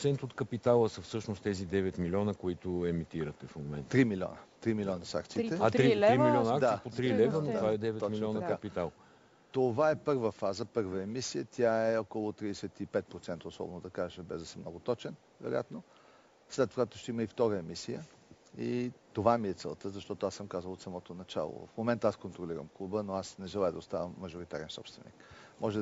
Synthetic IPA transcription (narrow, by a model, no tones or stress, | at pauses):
t̪sɛnt̪ot̪kəpit̪alˠəsəfsɤʃnost̪ɛzid̪ɛvɛt̪milʲɔnəkoit̪ʊɛmit̪iɾət̪ɛfmomɛnt̪ːɾimilʲiɔ̰nət̪ɾimilʲɔnəsa̰kt̪sit̪ɛat̪ɾiɾimilʲjɔnɐakd̪saipodt̪ɾilɛvənovaɛd̪ɛvɛt̪milʲiɔnəkɐpit̪alˠ | t̪ovaɛpɤɾvəfazəpɤɾvəɛmisiət̪ʲjaɛɔkolˠʊt̪ɾiɛsɛt̪ipɛt̪̚pɾot̪sɛnt̪əosɔ̰bɛnʊd̪ɐkaʒɛʃɛbɛzd̪ɐsɛmnɔɡʊt̪ɔt͡ʃɛn | vɛ̰ɾo̰ja̰t̪no | slɛt̪voɡat̪ʊʃt̪ɛiməift̪ɔɾəɛmisijə | it̪ovamiɛt̪sɛ̰lˠt̪əzɐʃt̪ɔt̪oasəmkazəlˠot̪sɐmɔt̪onɐt͡ʃa̰lˠo̰v̰fmomɛnt̪əaskont̪ɾoliɾə̰mklˠubənoasnɛʒɛlˠajəd̪ɐost̪avəmːɐʒoɾit̪a̰ɾɛnsɔ̰pst̪vɛnḭkmɔʒɛ